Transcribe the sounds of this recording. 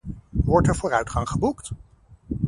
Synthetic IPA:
ʋɔɹtɛɹvʊːɾœɥtχɑŋχəbukt

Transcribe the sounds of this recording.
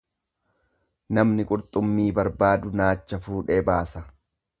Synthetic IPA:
nɐmnɪkʼʊɾt̪ʼʊmːiːbɐɾbaːd̪ʊnaːt͡ʃːɐfuːᶑebaːsɐ

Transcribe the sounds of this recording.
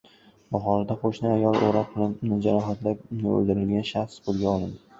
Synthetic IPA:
bɒχɒnad̪aqʰoʃnɪajɒlˠo̰ɾɒq̚bɪlanɪd͡ʒaɾɒɦat̪lapnɪo̰ld̪ɪɾɪlɡʲanʃaχsbolˠɡʲaɒlˠɪnd̪ɪ

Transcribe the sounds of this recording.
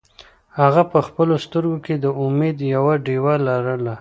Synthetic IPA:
haɣapəxpəlost̪əɾɡoked̪əʊmed̪jawaɖewalaɾəla

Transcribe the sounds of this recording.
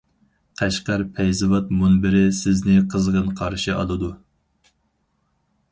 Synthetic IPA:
qʰæʃqæɾpʰɛjzɨvɑt̪̚munbɪɾɪsɪznɪqʰəzʁənqʰɑɾʃɨʔɑlˠɨd̪u

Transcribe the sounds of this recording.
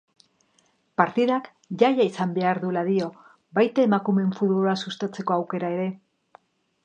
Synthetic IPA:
paɾt̪iðak | ʝajaisambe̞aɾðulaðio̞ | bajt̪aemakume̞ɱfuðβoloasust̪at͡se̞ko̞awke̞ɾae̞ɾe̞

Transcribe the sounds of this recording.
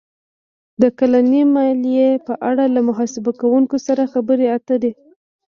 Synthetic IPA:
d̪əkalanimɑlijepəʔaɽalamʊɦɑsɪbakawuŋkosaɾaxabəɾeat̪əd̪e

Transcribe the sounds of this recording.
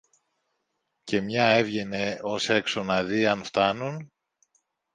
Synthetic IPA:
ce̞mɲɐe̞vʝe̞ne̞o̞se̞kso̞nɐðiɐnft̪ɐnun

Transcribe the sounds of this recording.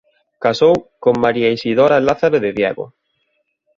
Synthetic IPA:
kasowkoŋmaɾiaisiðɔɾalaθaɾoðɪðjɛɣo̰

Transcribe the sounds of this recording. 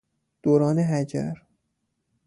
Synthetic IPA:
d̪̥oːɾɒːneɦæd͡ʒæ̰ɾ

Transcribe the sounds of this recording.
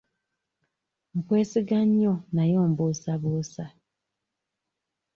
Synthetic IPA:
mukwe̞ːsiɡaɲːonajoːmbusaβusa

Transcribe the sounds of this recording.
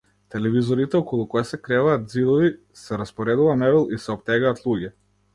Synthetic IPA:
t̪ɛlɛvizɔɾit̪ɛɔkɔlˠukɔjasɛkɾɛvaːd̪̚zid̪ɔvi | sɛɾaspɔɾɛd̪uvanɛvɛlˠisɛɔp̚t̪ɛɡaːt̪lˠuɟɛ

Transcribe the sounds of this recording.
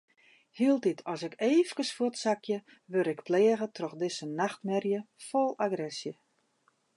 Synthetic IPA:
hiəlˠtitʰɔsɪkeːfkəsfutsakʰjə | ʋøɾɪkpleəɣətrɔxdɪsənaxtmɛrjəfolˠaɡrɛsjə

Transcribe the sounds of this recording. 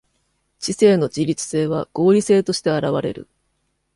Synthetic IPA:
t͡ɕise̞ːno̞d͡ʑiɾʲit͡sɨ̥se̞ːβaɡ̥o̞ːɾʲise̞ːt̪o̞ɕi̥t̪e̞aɾaβaɾe̞̰ɾɯ̟̰

